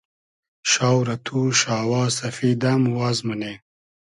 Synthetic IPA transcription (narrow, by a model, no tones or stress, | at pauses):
ʃaːwɾɐt̪ʰuʃaːwɑːsɐfiːd̪amwaːzmɐne